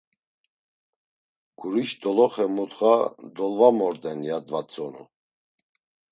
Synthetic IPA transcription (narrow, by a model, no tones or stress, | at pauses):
ɡ̥uɾiʃd̪ɔlɔχɛmut̪χad̪ɔlvamɔɾd̪ɛnjad̪vat͡sʼɔnṵ